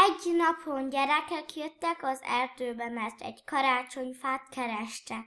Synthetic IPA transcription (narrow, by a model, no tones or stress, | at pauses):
ɛɟnɒpʰonɟɛɾɛkɛkjøt̪ːɛkɒzɛrd̪øːbɛmɛrt̪ɛ̰ɟkɒɾaːt͡ʃo̞ɲfaːt̪kɛɾɛʃt̪ɛ